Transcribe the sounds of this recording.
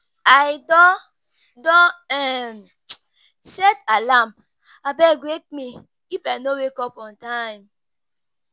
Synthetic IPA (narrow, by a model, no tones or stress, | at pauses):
ajdɔ | dɔ̃ɛ | sɛtalam | abɛɡwek̚mi | ifajnowekɔpɔ̃ntajm